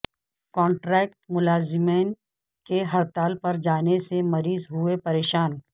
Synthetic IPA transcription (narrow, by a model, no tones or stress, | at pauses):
kɔ̃ːɳʈɾɛːk̚ʈmʊlaːzɪmeːn | keɦɐɾt̪aːlpɐɾd͡ʒaːnesemɐɾiːzɦʊepɐɾeːʃaːn